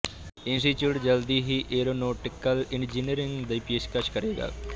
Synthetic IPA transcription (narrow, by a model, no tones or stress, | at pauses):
ɪ̃nsʈit͡ʃjuːʈd͡ʒəld̪iɦiːʔeːɾoːnoːʈɪkːəlɪɳd͡ʒiniəɾɪŋɡd̪ɐpeːʃkəʃʰkəɾeːɡa̰ː